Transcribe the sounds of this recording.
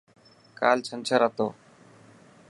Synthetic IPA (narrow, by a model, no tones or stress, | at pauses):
ka̰ːlt͡ʃʰənt͡ʃʰəɾat̪oː